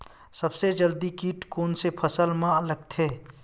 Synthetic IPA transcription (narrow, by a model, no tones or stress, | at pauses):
sɐbsed͡ʒəld̪ikiːʈkoːnsepʰɐsəlmãləɡ̚t̪ʰeː